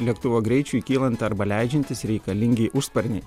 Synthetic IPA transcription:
lʲiɛkt̪ʊʋoːɡɾʲɛɪt͡ʃʲuːkʲiːlˠɐnt̪ɐɾbɐlʲæɪd͡ʒʲɛnʲt̪ʲɪsɾʲɛɪkɐlʲɪŋʲɡʲɪʔʊʃspɐɾʲnʲɛ

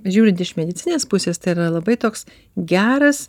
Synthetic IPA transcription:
ʒʲuːɾʲɪnt̪ɪʃmʲɛd̪ʲɪt̪sʲɪnʲeːspʊsʲeːst̪ɐɪiɾɐlˠɐbɐɪt̪oːks | ɡʲæːɾɐs

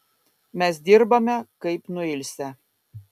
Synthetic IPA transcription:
mʲɛs̬d̪ʲiɾbɐmʲɛkɐɪpnʊɪlʲsʲɛ

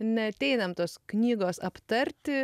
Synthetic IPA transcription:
nʲɛɐt̪ʲɛɪnɐmt̪oːsknʲiːɡoːsɐpt̪ɐɾʲt̪ʲɪ

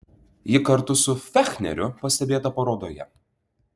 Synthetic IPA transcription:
jɪkɐɾt̪ʊsʊfʲæxʲnʲɛ̰ɾʲʊpɐsʲt̪ʲɛbʲeːt̪ɐpɐɾoːd̪oːjɛ̰

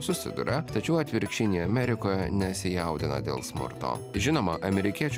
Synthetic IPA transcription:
sʊsʲɪ̰d̪ʊ̰ɾʲɛt̪ɐt͡ʃʲɛʊɐt̪ʲʋʲɪɾʲkʃʲɪnʲiɐmʲɛɾʲɪkoːjɛnʲɛsʲɪjɛʊd̪ʲɪnɐ̰d̪ʲḛːlˠsmʊ̰ɾt̪o̰ːʒʲɪnoːmɐʔɐmʲɛɾʲɪkʲiɛt͡ʃʲ

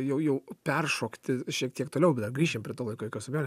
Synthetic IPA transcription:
jɛʊjɛʊpʲɛrʃoːkt̪ʲɪʃʲiɛk̚t̪ʲiɛkt̪oːlʲɛʊbʲɛt̪d̪ɐrɡɾʲiːʃʲeːmpʲɾʲiɛt̪oːlˠɐɪkoːɪkosʊmʲæːnʲ

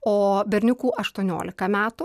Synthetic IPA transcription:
oːbʲɛɾʲnʲʊkuːʔɐʃt̪uɔnʲo̰ːlʲɪkɐmʲæːt̪ʊ

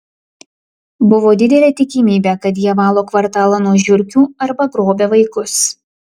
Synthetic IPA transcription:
bʊʋoːd̪ʲɪd̪ʲɛlʲɛːt̪ʲɪkʲɪmʲiːbʲɛːkɐt̪̬jiɛʋɑːlˠoːkʋɐɾt̪ɑːlˠɐnuɔʒʲʊɾʲkʲuːɐɾbɐɡɾoːbʲeːʋɐɪkʊs

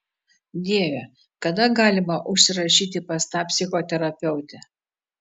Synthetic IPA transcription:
d̪ʲiɛʋʲɛ | kɐd̪ɐɡɑːlʲɪmɐʔʊʃʲsʲɪɾɐʃʲiːt̪ʲɪpɐst̪ɑːpʲsʲɪxoːt̪ʲɛɾɐpʲɛʊt̪ʲɛ

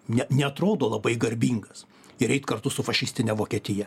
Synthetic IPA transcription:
nʲɛnʲɛɐt̪ɾoːd̪oːlˠɐbɐɪɡɐɾʲbʲiːŋɡɐs | ɪɾɛɪt̪kɐrt̪ʊsʊfɐʃʲɪsʲt̪ʲɪnʲɛʋoːkʲiːt̪ʲɪjɛ

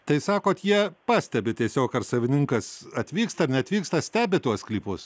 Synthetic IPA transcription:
t̪ɐɪsɑːkoːt̪jiɛpɑːsʲt̪ʲɛbʲɪt̪ʲiɛsʲoːkɐrsɐʋʲɪnʲɪŋkɐsɐt̪ʲʋʲiːkst̪ɐɾnʲɛɐt̪ʋʲiːkst̪ɐsʲt̪ʲæːbʲɪt̪uɔsklʲiːpʊs

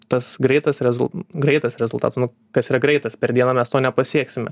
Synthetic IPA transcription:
t̪ɐsɡɾɛɪt̪ɐsɾʲɛzʊlˠɡɾɛɪt̪ɐsɾʲɛzʊlˠt̪ɑ̰ːt̪osnʊ | kɐsiːɾɐɡɾɛɪt̪ɐspʲɛɾd̪ʲiɛnɑːmʲɛst̪oːnʲɛpɐsʲiɛksʲɪmʲɛ

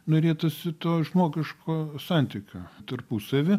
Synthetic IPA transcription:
noːɾʲeːt̪ʊsʲɪt̪oːʒmoːɡʲɪʃkʰoːsɑˑnʲt̪ʲɪkʲoːt̪ɐrpusɐʋʲɪ

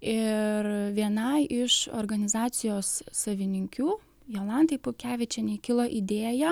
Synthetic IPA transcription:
ɪɾʋʲiɛnɐɪʔɪʃo̰ɾɡɐnʲɪzɑːt̪sʲɪjoːsːɐʋʲɪnʲɪŋʲkʲuː | jɛlˠɑnt̪ɐɪpʊkʲæːʋʲɪt͡ʃʲɛnʲɛkʲɪlˠoːʔid̪ʲeːjɛ

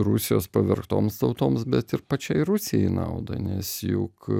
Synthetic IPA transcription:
ɾʊsʲɪjoːspɐʋʲɛɾkt̪o̰ːmst̪ɐʊt̪oːmsbʲɛt̪ɪɾpɐt͡ʃʲɛɪɾʊsʲɪjɛɪnɐ̰ʊd̪ɐ̰nʲɛsjʊ̰k

